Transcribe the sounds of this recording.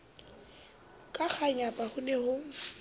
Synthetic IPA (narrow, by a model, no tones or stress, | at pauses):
kʼak͡xʰaɲapʼahʊnɛhʊ